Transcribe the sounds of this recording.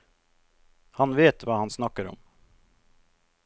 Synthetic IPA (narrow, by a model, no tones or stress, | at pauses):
hɑnʋeːt̪ʋɑːhɑnsnɑkəɾɔ̰m